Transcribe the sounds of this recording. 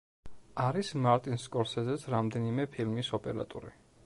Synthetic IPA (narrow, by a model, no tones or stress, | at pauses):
aɾismaɾt̪ʼinskʼɔɾsɛzɛsʰɾamd̪ɛnimɛpʰilmisɔpʼɛɾa̰t̪ʼṵɾi